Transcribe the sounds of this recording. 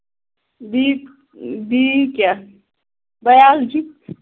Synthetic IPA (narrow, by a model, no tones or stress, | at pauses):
bi | bikja | bɐjaːld͡ʒi